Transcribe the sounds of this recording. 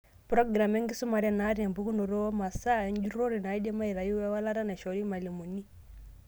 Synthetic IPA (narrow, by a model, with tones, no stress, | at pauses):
pɾɔ˦ɡɾa˨mɛ˦ŋɡi˦su˦ma˨ɾɛ˦˨na˨˦ɾɛ˨mbu˦ku˦no˨ɾo˦ɔ˦ma˨sa˦ɛ˦n˦d͡ʒu˦ɾo˦ɾi˨na˨i˦dɛ˦ma˦i˨ɾa˨ji˦wɛ˦wa˦la˦ɾa˦na˨ʃɔ˨ɾi˦ma˨li˨mu˨ni˦